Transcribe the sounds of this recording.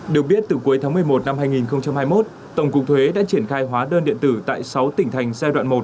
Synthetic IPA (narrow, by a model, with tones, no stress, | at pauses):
ɗi˨˩ək̚ɓi˦˥ət̚t̪ɨ˨˩ku˨˦əjt̪ʰaː˨˦ŋmɨ˨˩əjmo˨˩t̚na˧mɦaː˧jŋi˨˩nxə˧wŋ͡mt͡ɕa˧mhaː˧jmo˦˥t̚ | t̪ə˧˩wŋ͡mkʊ˨˩k̚t̪ʰwe˨˦ɗa̰ː˧˥t͡ɕi˧˩ənxaː˧jɦwaː˨˦ɗəː˧nɗḭ˧˨ənt̪ɨ˧˩t̪a̰ː˧˨jsa˨˦wt̪ï˧˩ŋ̟t̪ʰa˨˩jŋ̟zaː˧ɗwa̰ː˧˨mo˨˩t̚